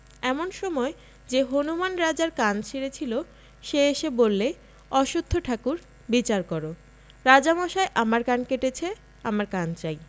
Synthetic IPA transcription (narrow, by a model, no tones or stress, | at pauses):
ɛmonʃɔmɔe | d͡ʑeɦonumanɾad͡ʑaɾkant͡ɕʰeɾet͡ɕʰilo | ʃeeʃebolːe | ɔʃud̪ʱːoʈʰakuɾ | bit͡ɕaɾkɔɾo | ɾad͡ʑamɔʃaeʔamaɾkankeʈet͡ɕʰe | amaɾkant͡ɕaj